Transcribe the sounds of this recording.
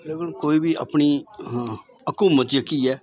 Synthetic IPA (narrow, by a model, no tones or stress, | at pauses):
leːkənkoːiːbʱiːʔa̰pɳiː | əkumət̪jəkiːɛː